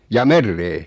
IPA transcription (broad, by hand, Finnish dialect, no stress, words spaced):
jɑː merːeː